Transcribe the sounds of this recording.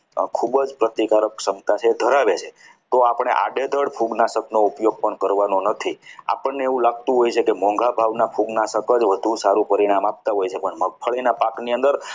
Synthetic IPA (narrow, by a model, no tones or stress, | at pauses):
kʰubd͡ʒpɾət̪ikaɾəksəmt̪at͡ʃʰeːd̪ʱəɾaʋet͡ʃʰe | t̪oapɳ̃ḛʔa̰ɖed̪ʱəɽpʰuɡnasəknoupjoɡ̚pəɳkəɾʋanonət̪ʰia̰pəɳneeũlaɡ̚t̪ũɦojt͡ʃʰekemɔ̃ŋɡʱabʱaʋnapʰuɡnasəkəd͡ʒʋəd̪ʱũsaɾũpəɾiɽ̃amap̚t̪aɦojt͡ʃʰepəɳməɡ̚pʰəɭinapakniənd̪əɾ